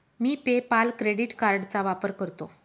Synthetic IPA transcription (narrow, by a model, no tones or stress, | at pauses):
miːpepalkɾeɽiʈkaɾɖt͡saʋapəɾkəɾt̪o